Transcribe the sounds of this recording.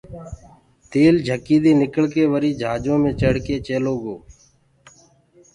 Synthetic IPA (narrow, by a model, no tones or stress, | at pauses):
t̪eːld͡ʒʱəkiːd̪iːnɪkəɭkeːʋəɾiːd͡ʒʱaːd͡ʒõːmẽːt͡ʃəɽkeːt͡ʃeːloːɡoː